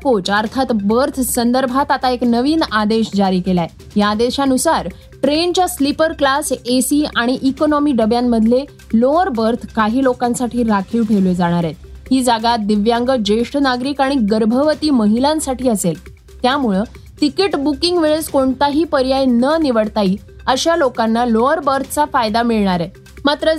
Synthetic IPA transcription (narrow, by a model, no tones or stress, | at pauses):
kot͡ɕəɾt̪ʰat̪bəɾt̪ʰsənd̪əɾbʱat̪at̪aeknəʋiːnad̪eɕd͡ʑaɾiːkelae | jaːd̪eɕanusaɾ | ʈɾent͡ɕjaslipəɾklasesiaɽ̃iʔikonɔmiːɖəbjamːəd̪ʱle | loəɾbəɾt̪ʰkaɦiːlokãnsaʈʰiːɾakʰiːʋʈʰeled͡zaɽ̃aɾjet̪ɦiːd͡zaɡat̪̚d̪iʋjãŋɡəd͡ʑeʂʈnaɡɾiːkaɽ̃ik̚ɡəɾbʱəʋət̪iːməɦilãnsaʈiːəsel | t̪jamuɭe | ʈ̪ikiʈbukiŋɡʋeɭed͡zkoɳt̪aɦiːpəɾjajnəniʋəɽt̪aiː | əɕjalokanːaloəɾbəɾt̪ʰə̥t͡safajd̪amiɭɳaɾe | mat̪ɾə